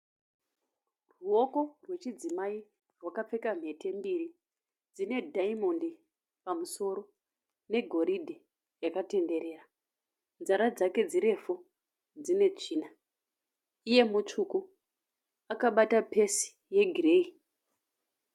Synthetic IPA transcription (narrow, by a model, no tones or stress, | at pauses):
ruo̞ko̞rwe̞t͡ʃid͡zimai | rwakap͡fe̞kam̤ɦe̞te̞mbiɾi | d͡zine̞daimondi | pamuso̞ɾo̞ | ne̞ɡʱo̞ɾidʱi | jakate̞nde̞ɾe̞ːra | nzaɾad͡zake̞d͡ziɾe̞fo | d͡zine̞t͡ʂiːna | ije̞mut͡ʂuku | akaɓatape̞si̥ | je̞ɡʱire̞i